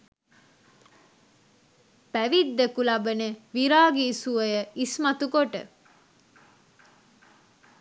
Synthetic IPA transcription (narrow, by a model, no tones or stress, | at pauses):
pæʋid̪ːekulɐbəneʋiɾaːɡiːsuʋəjəismɐt̪ukoʈə̰